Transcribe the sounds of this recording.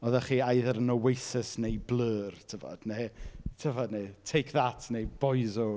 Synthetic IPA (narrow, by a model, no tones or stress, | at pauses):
ɔðaχiːajðəɾənɔwejθəsnejbləːrtʰəvɔ̰d̥netʰəvɔdnetʰejkʰðatʰnejbɔjzo